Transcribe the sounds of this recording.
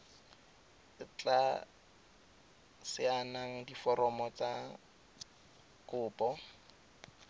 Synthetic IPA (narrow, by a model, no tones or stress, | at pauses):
ɪt͡ɬʼa | sɪanaŋ̩difɔɾɔmɔt͡sa | kʊːpʼɔ